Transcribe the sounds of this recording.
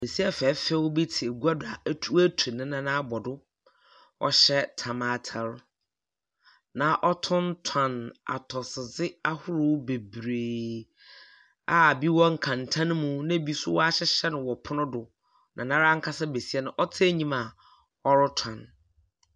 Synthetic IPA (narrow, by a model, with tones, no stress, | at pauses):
be˨si˦ɛ˦˨fɛː˨˦fɛ˦wɔ˦bi˦tʰɪ˨e˨ɡu˦a˦dʊ˨a˨˦tʰu˦wæ˦tʰu˨nɪ̃˦nã˦nã˦bɔ˨dʊ˦ | ɔ̰˦ɕɛ˦tʰa˨ma˨tʰa˨ɾ | nã˨ʔɔ˦tʰʊ̃˦ntʰã˨na̰˨tʰɔ˨sɪ˨zɪ˦a˦hʊ˦ɾʊ˦be˨bɾeː˨ | a˦˨bi˦wɔ˦ŋ̩˨kʰã˨ntʰã˦ñ˦mũ˦nã˦bi˦sʊ̰˦wɔ˦a˦ɕɛ˦ɕɛ˦nʊ̃˨wɔ˨pʰʊ˦nʊ̃˦dʊ˨ | nʔã̰˨nã˦ɾa˦ŋ̩˦kʰa˦sɛ˦be˨si˦ɛ˦nʊ̃˨ʔɔ˦tʰɪ˦ɛ˦ɲĩ˦ma˨ | ɔ˦ɾʊ˦tʰã˨n